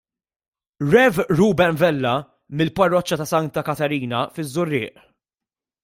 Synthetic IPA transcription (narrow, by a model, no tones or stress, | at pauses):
ɾɛvɾuːbɛnvɛlːɐ | mɪlpɐrːɔt͡ʃːɐt̪ɐsɐnt̪ɐkɐt̪ɛɾiːnɐfɪzːʊrːɪ̰ːʔ